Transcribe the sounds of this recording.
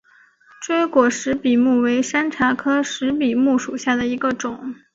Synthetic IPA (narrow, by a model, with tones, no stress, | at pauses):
ʈ͡ʂwe˥ɪkwɔ˨˩ʂɻ̩˧˥pi˨˩mu˥˩we˧˥ɪʂa˥nʈ͡ʂʰa˧˥kʰɤ˥ʂɻ̩˧˥pi˨˩mu˥˩ʂu˨˩ɕja˥˩d̪ə˩i˧˥ɡə˧ʈ͡ʂʊ˨˩˦ŋ